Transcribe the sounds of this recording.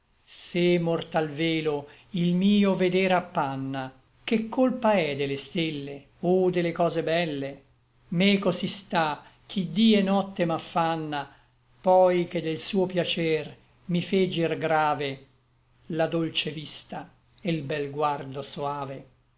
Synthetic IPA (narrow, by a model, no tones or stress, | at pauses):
semort̪alveːlo | ilmiːoved̪eɾapːanːa | kekːolpaɛd̪elest̪elːe | od̪elekɔːzebɛlːe | mekosist̪ak̟ːid̪iːɛnɔt̪ːemafːanːa | pɔjked̪ːelsuːopjat͡ʃɛr | mifed͡ʒirɡɾaːve | lad̪olt͡ʃevist̪a | elbɛlɡward̪osoaːve